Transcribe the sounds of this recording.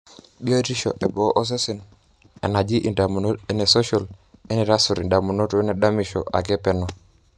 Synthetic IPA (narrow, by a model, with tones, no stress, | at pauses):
bi˦o˦di˦ʃo̰˨ʔe˨bɔ˨˦ʔo˦s̬e˦si˨n | ḛ˨na˨d͡ʒi˦ʔne˨so˦ʃo˨le˦nɛ˨ɾa˦su˨ɾi˨da˨mu˨no˦to˦ne˨da˦mi˨ʃo̰˨ʔa̰˨ɡɛ˦pɛ˦nɔ˨